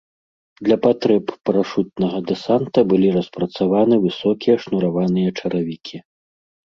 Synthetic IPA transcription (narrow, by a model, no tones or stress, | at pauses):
d̪lʲɐpat̪ɾɛpːɾaʂut̪̚nɐɣɐd̪ɛsant̪ɐbɨlʲiɾɐspɾɐt̪savanɨvɨsɔkʲijɐʂnuɾavanɨjɐt͡ʂɐɾavʲikʲi